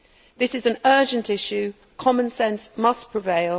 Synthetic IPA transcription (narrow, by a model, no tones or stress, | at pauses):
ðɪsɪzə̃nɜːd͡ʒə̃ntɪʃʉ | kʰɒmə̃nsɛ̃nsmʌspʰɹ̥ɪveɪlˠ